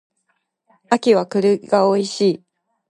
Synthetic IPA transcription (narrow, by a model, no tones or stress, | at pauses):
akʲiβakɯ̟ɾɯ̟ɡaoiɕiː